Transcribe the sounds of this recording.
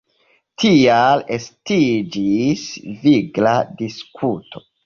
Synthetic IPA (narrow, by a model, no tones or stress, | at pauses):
tʰialestid͡ʒisviɡladiskʰutʰo̞